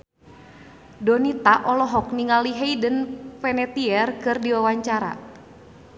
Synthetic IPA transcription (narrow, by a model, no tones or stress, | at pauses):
dɔnit̪aʔɔlɔɦɔk̚niŋaliɦeidənfɛnɛt̪iɛrkɨrdiwawaɲt͡ʃaɾa̰